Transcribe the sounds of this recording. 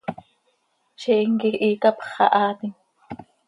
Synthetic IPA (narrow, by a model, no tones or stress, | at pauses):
ʃeʔiŋkiʔiːkapχɑ̰ʔaːt̪iŋ